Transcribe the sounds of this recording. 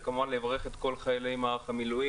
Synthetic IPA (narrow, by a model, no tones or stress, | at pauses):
kamalevʁeχet̪ko̞lχajalejmaːʁaχamilui